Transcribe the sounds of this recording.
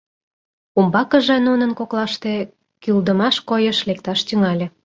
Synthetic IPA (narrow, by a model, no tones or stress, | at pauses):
umbɑkə̆ʒĕnunə̆nkoklɑʃt̪e | kyld̪əmɑʃkojə̆ʃlek̚t̪ɑʃt̪yŋɑlʲĕ